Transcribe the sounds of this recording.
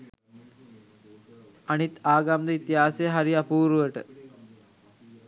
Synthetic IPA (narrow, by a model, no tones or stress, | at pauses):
anit̪aːɡamd̪əit̪iɦaːsejəɦaɾiapuːɾuʋəʈə